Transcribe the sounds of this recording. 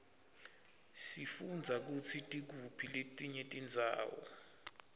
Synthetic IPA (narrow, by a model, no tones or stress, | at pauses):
sifund͡zʱak̬ut͡sʰitʼik̬upʰiletʼiɲɛtʼind͡zʱa̰ːwɔ̰